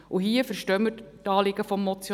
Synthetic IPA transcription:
ʔuɦiəfəɾʃtœməttɑːlɪɡəfɔmːɔt͡sj

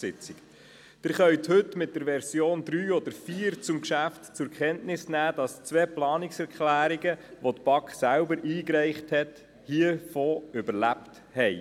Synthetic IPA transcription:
sɪt͡sɪk | d̥ɪɾχœʏthɵtmɪt̚d̥əɾʋɛɾsjoːnd̪ɾyːɔd̥̪əɾfiːɾt͡sʊmkʃæftt͡sʊɾkχɛntnɪsnæːd̥ɑst͡sʋɛplɑːnɪksɛɾkχlæːɾiɡəʋotb̥ɑkχsælbəɾiːkɾɛɪχthɛt | hiəfoːʏbəɾlæpt | hɛɪ

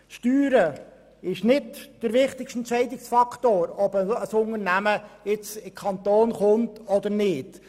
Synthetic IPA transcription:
ʃtyːɾə | ɪʃnɪdd̥əɾʋɪχt̪ɪkʃtɛnt͡ʃɛɪdɪksfɑkχtoːɾɔbəəsʊŋəɾnæməɪt͡sɪmkʰɑntoːnχʊntɔd̪əɾnɪːt

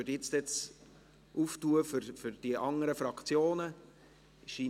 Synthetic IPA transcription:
ødjɪt͡stɛt͡s | ʔuftuːəfʏɾfʏɾd̥iʔɑŋəɾəfɾɑkʰt͡sjoːnə | ɪʃi

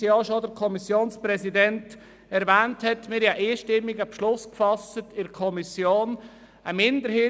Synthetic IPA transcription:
jɑʃodəɾkʰɔmisjoːnspɾɛsidɛnt | ɛɾvæːnthɛtmɪːɾjɑʔiːʃtɪmːɪɡəbʃlʊskfɑstətɪɾkʰɔmisjoːn | əmɪndəɾhɪ

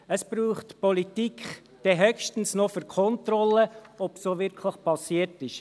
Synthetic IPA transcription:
əsb̥ɾuːχtpɔlitikχ | d̥ɛɦœkʃtən̩snɔfyɾkʰɔntɾɔləɔpsoːʋɪɾkʰləχpɑsiətɪʃ

